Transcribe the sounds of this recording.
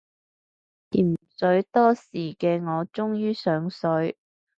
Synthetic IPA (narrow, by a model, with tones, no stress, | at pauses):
t̪iː˨˩msɵ˨˥ɥt̪ɔː˥siː˨˩kɛː˧ŋɔː˨˧t͡sʊ˥ŋjyː˥sœː˨˧ŋsɵ˨˥ɥ